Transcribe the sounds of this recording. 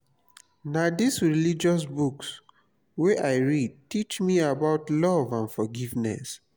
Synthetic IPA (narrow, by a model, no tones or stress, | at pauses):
nadisɹilid͡ʒɔs̬buks | wɛʔaɪɹid̚tit͡ʃmiabaʊtlɔvãnfɔɡivnɛ̰s